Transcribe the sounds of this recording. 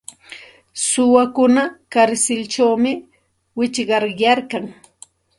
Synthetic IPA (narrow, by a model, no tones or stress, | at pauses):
sʊwakʊnakaɾsɪlt͡ʃawmɪ | wɪt͡ʃɢɑɾjaɾkaŋ